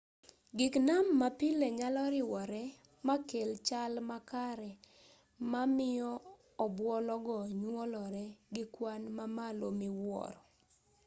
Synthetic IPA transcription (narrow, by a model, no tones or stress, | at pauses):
ɡɪknamːapɪleɲalɔɾɪwɔɾɛ | makelt͡ʃalmakaɾɛ | mamɪɔ | ɔbwɔlɔɡɔɲwɔlɔɾɛɡɪkwanmamalomɪwɔ̰ɾɔ